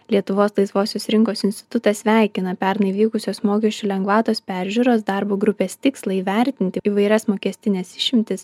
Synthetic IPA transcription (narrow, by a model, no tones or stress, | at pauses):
lʲiɛt̪ʊʋoːslˠɐɪsʋoːsʲoːsɾʲɪŋkoːsɪnʲsʲt̪ʲɪt̪ʊt̪ɐsʲʋʲæˑɪkʲɪnɐpʲɛɾnɐɪiʋʲiːkʊsʲoːsmoːkʲɛʃʲt͡ʃʲuːlʲɛŋɡʋɑːt̪oːspʲæɾʲʒʲʊɾoːs̬d̪ɑɾboːɡɾʊpʲeːst̪ʲɪkslˠɐiːʋʲæˑɾʲt̪ʲɪnʲt̪ʲɪiːʋɐɪɾʲɛsmoːkʲɛsʲt̪ʲɪnʲɛsɪʃʲɪmʲt̪ʲɪs